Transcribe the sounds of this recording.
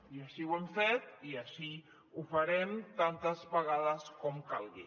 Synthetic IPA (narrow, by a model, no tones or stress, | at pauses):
iəʃiwɛmfet̪iəʃi | ufəɾɛmt̪ant̪əzβəɣaðəskɔmkalˠɣḭ